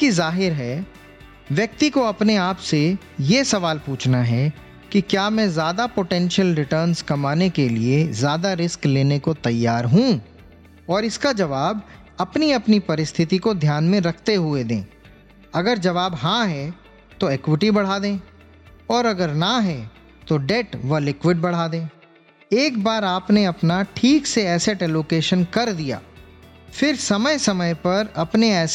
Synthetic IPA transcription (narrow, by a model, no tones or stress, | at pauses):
ɪskizaːɦɪɾɦɛ | ʋjɐk̚t̪ikoɐpneaːpse | jesɐʋaːlpuːt͡ʃʰnaɦɛ | kikjaːmɛ̃ːzjaːd̪apoʈɛ̃ːnʃəlɾɪʈəːɾnzkɐmaːnekeliezjaːd̪aɾɪskleːnekot̪ɐjːaːɾɦũ | ɔːɾɪskad͡ʒɐʋaːb | ɐpniɐpnipɐɾɪst̪ʰɪt̪ikod̪ʱjaːnmẽɾɐkʰt̪eɦʊed̪ḛ̃ː | ɐɡəɾd͡ʒɐʋaːbɦãɦɛ | t̪oeːkwɪʈibɐɽ̤aːd̪ẽː | ɔːɾɐɡəɾnaɦɛ | t̪oɖɛʈʋɐlɪkwɪɖbɐɽ̤aːd̪ẽː | eːkbaːɾaːpneɐpnaʈʰiːkseɛːseʈɛːloːkeːʃənkɐɾd̪ija̰ː | fɪɾsɐməjsɐməjpɐɾɐpneɛːs